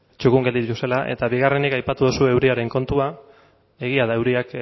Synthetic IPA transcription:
t͡ʃukuŋɡe̞ld̪it̪it̪ust̪e̞laʔe̞̰t̪aβiɣare̞nikajpat̪uð̞usue̞wɾiaɾe̞ŋko̞nt̪ua | e̞ɣ̞iaðae̞wɾiak

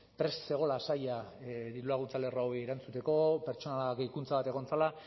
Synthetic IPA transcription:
pɾe̞sse̞ɣ̞o̞lasajad̪iɾulaɣunt͡sale̞raoeɾant͡sut̪e̞ko̞pe̞ɾt͡ʃo̞naakikunt͡saβat̪e̞ɣ̞o̞nt͡sala

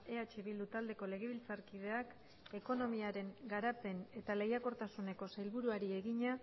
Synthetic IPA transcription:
e̞at͡ʃiβild̪ut̪ald̪e̞ko̞le̞ɣ̞e̞β̞ilt͡saɾkið̞e̞ak | e̞ko̞no̞miaɾe̞ŋɡaɾape̞ne̞t̪ale̞jako̞ɾt̪asune̞ko̞sajlβuɾuaɾie̞ɣiɲa

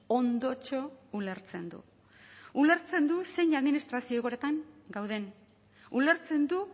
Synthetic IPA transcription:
o̞nd̪o̞t͡ʃo̞ule̞ɾt͡se̞nd̪ṵ | ule̞ɾt͡se̞nd̪use̞jɲaðminist̪ɾasioɣoɾet̪aŋɡawðe̞ŋ | ule̞ɾt͡se̞nd̪u

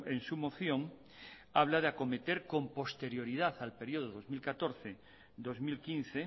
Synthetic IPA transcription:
ensumo̞θjõ̞ŋ | aβ̞laðeako̞met̪eɾkõ̞mpo̞st̪e̞ɾjo̞ɾið̞aθalpeɾjoðoðo̞zmilkat̪o̞ɾθe | d̪o̞zmilkinθe

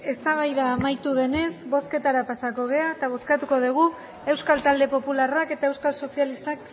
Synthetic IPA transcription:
e̞st̪aβ̞ajðaːmajt̪uðe̞ne̞sβo̞ske̞t̪aɾapasako̞ɣ̞e̞aet̪aβ̞o̞skat̪uko̞ð̞uɣ̞u | e̞wskalt̪ald̪e̞po̞pularake̞t̪ae̞wskalso̞sialist̪ak

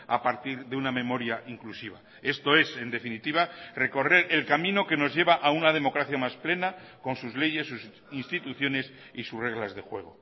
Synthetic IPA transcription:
a̰paɾt̪iɾðeunamẽ̞mo̞ɾjaʔiŋklusiβ̞a̰ | e̞st̪o̞e̞se̞nd̪e̞finit̪iβare̞ko̞re̞ɾe̞lkamĩno̞ke̞no̞zʝe̞βaʔaunað̞e̞mo̞kɾaθjamasple̞nako̞nsuzle̞ʝe̞sːus | inst̪it̪uθjo̞ne̞s | isusre̞ɣ̞lazðexwe̞ɣ̞o̞

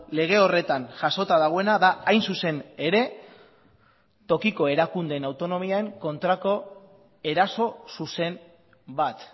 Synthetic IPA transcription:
le̞ɣ̞e̞o̞re̞t̪anʝaso̞t̪aðaɣ̞oe̞naðaːjnsuse̞ne̞ɾe̞ | t̪o̞kiko̞e̞ɾakund̪e̞nawt̪o̞no̞miae̞ŋko̞nt̪ɾako̞ | e̞ɾaso̞suse̞n | bat̪

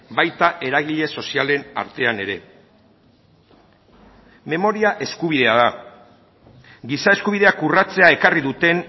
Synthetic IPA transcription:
bajt̪aʔe̞ɾaɣ̞iʎe̞so̞siale̞na̰ɾt̪e̞ane̞ɾe̞̰ | me̞mo̞ɾiaʔe̞skuβ̞iðe̞aða | ɡisae̞skuβiðe̞akurat͡se̞ae̞kariðut̪e̞n

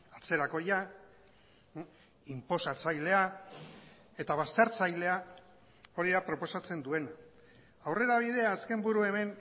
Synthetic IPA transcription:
at͡se̞ɾako̞ja | impo̞sat͡sajle̞a | e̞t̪aβ̞ast̪e̞ɾt͡sajle̞a | o̞ɾiðapɾo̞po̞sat͡se̞nd̪ue̞na | awre̞ɾaβ̞iðe̞aːske̞mbuɾue̞me̞n

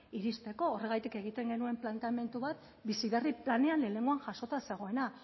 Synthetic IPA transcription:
iɾist̪e̞ko̞ːre̞ɣ̞ajt̪ike̞ɣ̞it̪e̞ŋɡe̞nue̞mplant̪eame̞nt̪uβat̪ | bisiðeriplaneanle̞le̞ŋɡuaŋʝaso̞t̪ase̞ɣ̞o̞e̞na

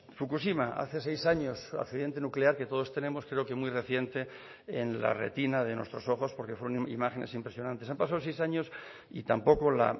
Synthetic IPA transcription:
fukusimaa̰θe̞se̞jsaɲo̞sa̰kθiðje̞nt̪e̞nukleaɾket̪o̞ð̞o̞st̪e̞nẽ̞mo̞skɾe̞okemwujre̞θje̞nt̪e̞ | enla̰re̞̰t̪inaðe̞nwe̞st̪ɾo̞so̞xo̞spo̞ɾkefweɾo̞ŋḭmaxe̞ne̞simpɾe̞sjonãnt̪es̬ampasaðosejsaɲo̞s | ḭt̪ampo̞kola̰

